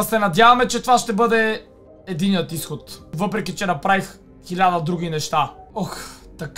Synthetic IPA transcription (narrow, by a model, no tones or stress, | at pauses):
sɛnɐd̪ʲjavɐmɛt͡ʃɛt̪ovaʃt̪ɛbɤd̪ɛː | d̪inijət̪isxot̪vɤpɾɛkʲit͡ʃɛnɐpɾavix | xilʲad̪ɐd̪ɾuɡ̟ʲinɛʃt̪aɔxt̪ɐk